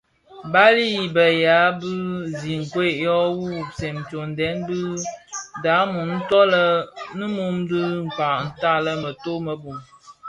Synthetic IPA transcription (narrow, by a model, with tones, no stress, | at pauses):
ba˦li˦˨bə˨ja˨˦bɨ˦zi˨ŋ̩˨kwe˦˨ʔjɔ˦wu˦˨sɛ˨m̩˨t͡ʃo˨n˨dɛ˨˦nbɨ˦da˨˦mu˨n̩˦tɔ˦lə˦nɨ˦mu˦mdɨ˦ŋ̩˨ka˨ʔn̩˦˨ta˦˨lə˦mə˨to˦mə˨bu˨m